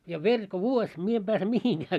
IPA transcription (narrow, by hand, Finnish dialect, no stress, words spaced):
jɑ ʋerʲ ko ʋuosʲ mie em b̥æːse mihiŋɡ̊æː